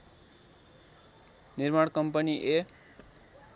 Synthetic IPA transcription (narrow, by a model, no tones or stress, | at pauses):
nirmaɽkʌmpʌniʔe